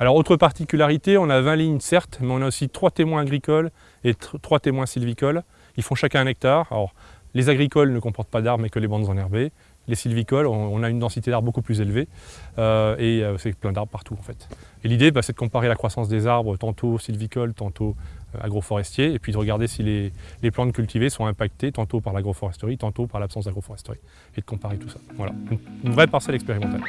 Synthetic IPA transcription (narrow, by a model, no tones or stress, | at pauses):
alɔʁot̪χəpaʁt̪ikʲylaʁit̪eɔ̃navɛ̃liɲsɛʁt̪mɛɔ̃naosit̪χwat̪emwɛ̃aɡʁikɔl | et̪χwat̪emwɛ̃silvikɔl | ilfɔ̃ʃakʲɛ̃ɛ̃nɛk̚t̪aʁa̰lɔʁlezaɡʁikɔlnəkɔ̃pɔʁt̪̚pad̪aʁbmɛkəlebɑ̃d̪zɑ̃nɛʁbe | lesilvikɔlɔ̃ːnaynd̪ɑ̃sit̪ed̪aʁbbokuplyzelveøeøsɛplɛ̃d̪aʁbʁpaʁt̪uɑ̃fɛt̪elid̪ebasɛd̪əkɔ̃paʁelakχwasɑ̃s̬d̪ezaʁbʁət̪ɑ̃t̪ʰosilvikɔlt̪ɑ̃t̪oø̰a̰ɡʁofɔʁɛst̪jeːpɥid̪əʁəɡaʁd̪esileleplɑ̃t̪kʲylt̪ʰivesɔ̃ɛ̃pak̚t̪et̪ɑ̃t̪opaʁlaɡʁofɔʁɛst̪əʁit̪ɑ̃t̪opaʁlapsɑ̃sd̪aɡʁofɔʁɛst̪əʁi | ed̪əkɔ̃paʁet̪usḁvwala̰ynynvʁɛpaʁsɛlɛkspeʁimɑ̃t̪a̰l